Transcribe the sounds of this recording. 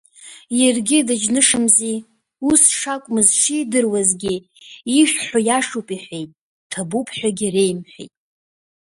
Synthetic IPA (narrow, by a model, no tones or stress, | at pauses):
jerɡʲɪdɨd͡ʒnɨʂɨmzi | usʂakʷʼmɨzʂidɨrwazɡʲɪ | iʃᶣħajaʂupʼiħʷᶣejtʼ | tʰabupʰħᶣʷaɡʲirejmħᶣḛjtʼ